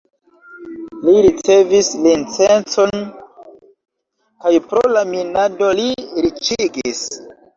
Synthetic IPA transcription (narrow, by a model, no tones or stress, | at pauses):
liɾit͡se̞vislint͡se̞nt͡so̞n | kajpɾolaminado̞liɾit͡ʃiɡis